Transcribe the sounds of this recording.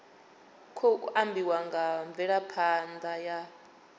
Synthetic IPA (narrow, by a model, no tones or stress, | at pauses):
kʰokuʔambiwaŋɡaɱbvɛɺapʰand̪aja